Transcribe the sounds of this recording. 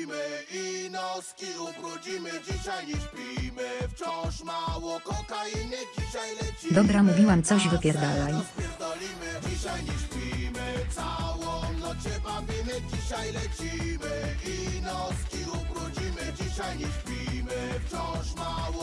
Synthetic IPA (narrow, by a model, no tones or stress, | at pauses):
mɘinɔskʲiupɾud͡ʑimɪd͡ʑiɕajɲiʃpʲimɘft͡ɕɔ̃ʂmawɔkɔkajimɛɡd͡ʑiɕajlɛt͡ɕid̪ɔbɾamuvʲiwamt̪sɔʑvɨpʲjɛɾd̪alajspʲjɛɾd̪alʲimɘd͡ʑiɕajɲɛʃpʲimɘt̪sawɔnɔt͡ɕɛpavʲimɛɡd͡ʑiɕajlɛt͡ɕimɘinɔskʲiupɾud͡ʑimɘd͡ʑiɕajɲiʃpʲimɘft͡ɕɔ̃wʂmawɔ